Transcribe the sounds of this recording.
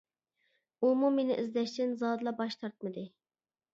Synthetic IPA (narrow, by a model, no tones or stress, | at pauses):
umumenɪ̰ʔizd̪ɛʃt̪ɪnzɑd̪ɨlˠɑbɑʃt̪ʰɑɾt̪̚mɨd̪ɨ